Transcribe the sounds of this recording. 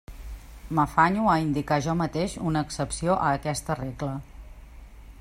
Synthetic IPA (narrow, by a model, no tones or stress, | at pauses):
məfaɲuəind̪ikaʒɔmət̪eʃunəːksəpsioʔəːkɛst̪əreɡlə